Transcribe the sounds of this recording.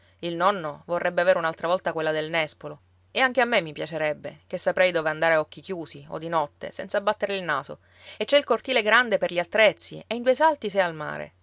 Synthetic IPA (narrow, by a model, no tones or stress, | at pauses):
ilnɔnːovorːɛbːeaveːɾeunalt̪ɾavɔlt̪akwelːad̪elnɛspolo | eaŋk̟eamːemːipjat͡ʃeɾɛbːḛk̟esːapɾɛjd̪oːveand̪aːɾeɔkːikjuːsio̰d̪inɔt̪ːḛsɛnsabːat̪ːeɾeilnaːso̰ | et͡ʃːɛilkort̪iːleɡɾand̪eperʎiat̪ːɾɛt̪sːḭeind̪uejsalt̪isɛalma̰ːɾḛ